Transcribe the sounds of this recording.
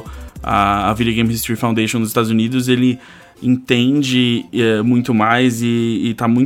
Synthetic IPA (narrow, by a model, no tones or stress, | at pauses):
ɐ̰ːvid͡ʒoɡẽj̃mhist̪ɾifãw̃d̪ejʃõw̃nʊzɪst̪ad̪ʊzunid̪ʊzelɪ | ẽt̪ẽd͡ʒɪɛmũj̃t̪ʊmajzɪːt̪amũj̃